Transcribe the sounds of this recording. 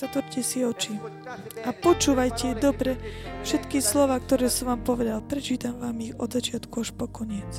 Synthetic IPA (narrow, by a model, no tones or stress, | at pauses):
zat̪ʋɔɾcɛsiɔt͡ʃi | apɔt͡ʃuːʋajcɛɛd̪ɔbɾɛfʃɛt̪kislɔʋaːkt̪ɔɾɛːsuʋaːmpɔʋɛd̪alpɾɛt͡ʃiːt̪amʋaːmiɣɔ̰d̪zat͡ʃɪat̪kuaʃpɔkɔɲɪɛt͡s